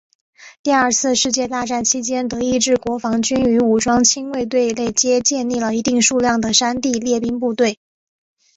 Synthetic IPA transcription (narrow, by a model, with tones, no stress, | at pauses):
t̪i˥˧ə˞˥˧t͡sʰɹ̩˥˧ʂɻ̩˥˧t͡ɕjɛ˥˧t̪a˥˧ʈ͡ʂa˥˩nt͡ɕʰi˥t͡ɕjɛ˥nt̪ɤ˧˥i˥˧ʈ͡ʂɻ̩˥˩kwɔ˧˥fɑ˧˥ŋt͡ɕy˥ny˧˥u˨˩ʈ͡ʂwɑ˥ŋt͡ɕʰi˥ŋwe˥˧ɪt̪we˥˧ɪle˥˩ɪt͡ɕjɛ˥t͡ɕjɛ˥˧nli˥˩lə˩i˧˥t̪i˥˧ŋʂu˥˧ljɑ˥˩ŋd̪ə˩ʂa˥nt̪i˥˧ljɛ˥˩pi˥ŋp̬u˥˧t̪we˥˩ɪ